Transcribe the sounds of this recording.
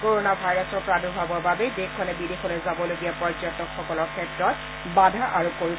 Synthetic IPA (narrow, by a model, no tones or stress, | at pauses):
koɹonabʱajɹasɔpɔɹadubʱabɔbabɛdekʰːɔnɛbidexɔlojzabɔloɡijapɔɹzɔtɔkxɔkɔlɔɹkʰɛtɹɔt̚ | badʱaʔaɹukoɹi